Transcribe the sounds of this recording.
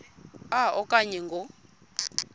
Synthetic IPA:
aɔkʼaɲɛŋɡɔ

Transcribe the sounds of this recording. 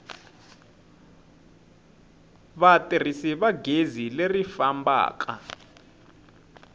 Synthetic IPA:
βatir̤isiβaɡʱezilerifamba̰ːk̬ʰʼa̰

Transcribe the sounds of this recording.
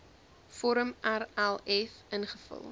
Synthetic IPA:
fɔɾəmærælˠɛfənχəfə̰lˠ

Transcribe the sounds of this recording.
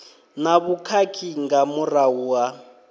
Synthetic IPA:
naβukʰakʰiŋɡamurawuːa

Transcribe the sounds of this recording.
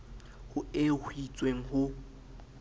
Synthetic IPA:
hʊehwit͡sʼweŋ̩ɦʊ

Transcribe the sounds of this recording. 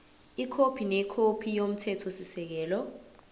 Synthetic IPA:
ikʰopʰinɛkʰopʰijom̩tʰɛtʰɔsisɛk̬ɛːlɔ

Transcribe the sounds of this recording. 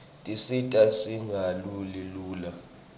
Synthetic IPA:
tʼisitʼasiŋʱaluliluːla

